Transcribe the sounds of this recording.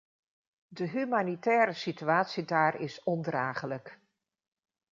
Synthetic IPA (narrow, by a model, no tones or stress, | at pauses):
dəɦymaːnitɛːɾəsityaːtsidaːɾɪsɔndraːχələk